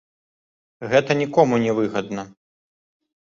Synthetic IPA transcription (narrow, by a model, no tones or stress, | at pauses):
ɣɛt̪ɐnʲikɔmunʲɛvɨɣɐd̪̚nɐ